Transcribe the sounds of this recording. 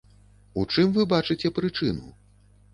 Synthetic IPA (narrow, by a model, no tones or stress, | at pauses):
ut͡ʂɨmvɨbat͡ʂɨt͡sʲɛpɾɨt͡ʂɨnṵ